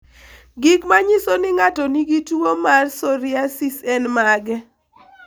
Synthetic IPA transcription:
ɡikmaɲisonɪŋatɔniɡituomarsoɾɪasisɛnmaɡɛ

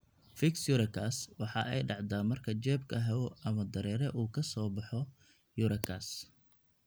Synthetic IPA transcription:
fɪksjʊɾɐkʰaːswɑħɑʔɛjɖɑʕd̪aːmɐrkʰɐt͡ʃɛːbkʰɐɦɐwɔʔɐmɐd̪ɐɾɛːɾɛʔuːkʰɐsɔːbɑħɔ | jʊɾɐkʰaːs

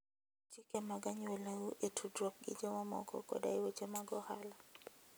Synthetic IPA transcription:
t͡ʃikɛmaɡaɲɛlɛuʔɛtʰudɾɔk̚ɡḭd͡ʒɛwamɔ̰kʰɔ̰kɔ̰ɗa̰iwɛt͡ʃɛmaɡɔha̰la

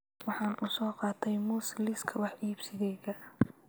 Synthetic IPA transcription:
wɑħɑːnʔuːsɔːqɑːt̪ʰɛjmuːslɪskʰɐwɑħʔiːbsɪɣɛjɣɐ

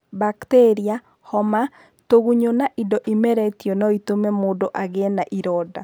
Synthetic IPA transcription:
baktɛɾia | hɔma | toɣuɲonaʔidɔʔimɛɾɛtiɔnɔitomɛmoːdoʔaɣenaʔiɾɔda̰

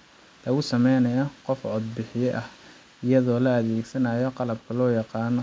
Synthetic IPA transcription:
lɐɣʊsɐmɛjnɐjɔqɔfʕɔd̪̚bɪħɪjɛʔɐh | ɪjɐðɔːlɐɐðeːɡsɐnɐjɔqɑlɐbkʰɐlɔːjɑqɑːnɔ

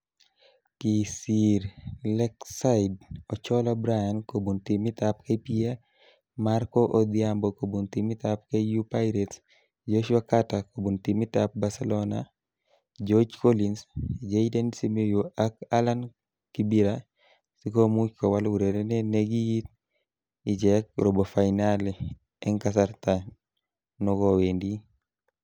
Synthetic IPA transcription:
kisiɾlɛksaidɔt͡ʃɔlabɾajankobuntimɪt̪ap̚kepia | markɔʔod̪ɪambɔkobuntimɪt̪ap̚kejupajɾɛts | d͡ʒoʃwakatakobuntimit̪ap̚basɛlɔna | d͡ʒod͡ʒkolinsd͡ʒedendisimejuak̚alan | kibiɾa | sikomukowalwuɾedɛneneɡijit̚ | id͡ʒɛk̚ɾobofajnale | ɛŋkasaɾtan | nɔɡɔwendi

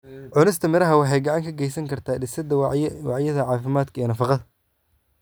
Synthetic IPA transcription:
ʕʊnɪst̪ʰɐmɪɾɐɦɐwɑħɑjɡɑʕɑŋkʰɐɡɛjsɐŋkʰɐrt̪ʰaːɖɪsɐd̪ɐwɑʕjɐðɐʕɑːfɪmaːd̪kʰɐɛːnɐfɑqɑðɐ

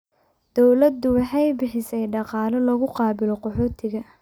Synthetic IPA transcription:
d̪̥ɔwlɐd̪ʊwɑħɑjbɪħɪsɛjɖɑqɑːlɐlɔɣʊqɑːbɪlɔqɔħɔːt̪ʰɪɣɐ

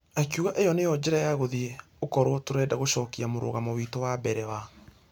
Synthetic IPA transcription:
akjuɣaʔejɔnejɔd͡ʑɛɾajaɣoði | okɔɾotoɾɛːdaɣoʃɔːkiamoɾo̰ɣamowitowabɛɾɛwa

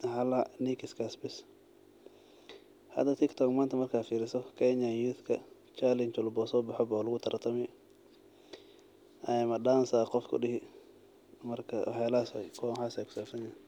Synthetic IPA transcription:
hɐlanikɪskʰɐsbɪs | hɐ̰d̪ɐt̪ʰɪkt̪ʰɔkmaːnt̪ʰɐmɐrkʰaːfiːɾɪsɔkʰɛɲajuːθkʰɐ | t͡ʃalɪnt͡ʃɔlbɔːsɔːbɑħɔbɔlʊɣʊt̪ʰɐɾʔt̪ʰɐmɛ | ɐɪmɐɗaːnsaːqɔfkʰʊ̰ɗɪhɪ | mɐrkʰɐw̰ħɛlaːsa̰kʰɔːnħaːsɛjkʰʊ̥saːbsɐnjan

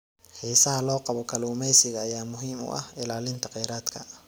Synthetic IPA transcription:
hiːsɐɦɐlɔːqɑβɔkʰɐluːmɛjsɪɣɐːjaːmʊɦiːmʊ̰ʔɐ̰hɪlaːlɪnt̪ʰɐqɛjɾaːd̪kʰɐ

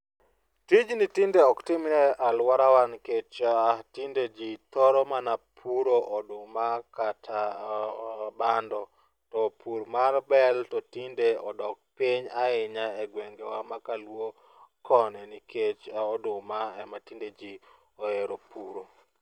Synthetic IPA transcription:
tid͡ʒnitindeɔktɪmɾɛʔalwaɾawanket͡ʃtinded͡ʒit̪ɔɾɔmanapʰuɾoʔɔdʊmakatʰa | bandɔ | tɔpʰuɾmarbɛltɔtindeɔdɔk̚piɲaɪɲaɛɡweŋɡewamakalwo | kɔnɛnikʰet͡ʃaɔdʊmaɛmatinded͡ʒi | oeɾopuɾo

